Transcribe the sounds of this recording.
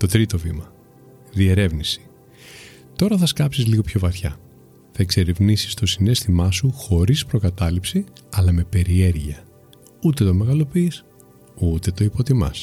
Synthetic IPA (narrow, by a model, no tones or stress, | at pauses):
t̪o̞t̪ɾit̪o̞vimɐ | ðie̞ɾe̞vnisi̥ | t̪o̞ɾɐθɐskɐpsizliɣo̞pço̞vɐθçɐ̰ | θɐekse̞ɾivnisi̥st̪o̞sine̞st̪imɐsuxo̞ɾispɾo̞kɐt̪ɐlipsiɐlɐme̞pe̞ɾie̞ɾʝiɐ | ut̪e̞t̪o̞me̞ɣɐlo̞piːs | ut̪e̞t̪o̞ipo̞t̪imɐ̰s